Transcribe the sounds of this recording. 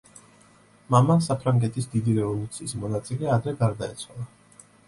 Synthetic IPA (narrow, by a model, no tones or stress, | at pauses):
mamasapʰɾaŋɡɛt̪ʰisd̪id̪iɾɛvɔlˠut̪sʰiːsmɔnat̪sʼilɛad̪ɾɛɡaɾd̪aɛ̰t̪sʰwalˠa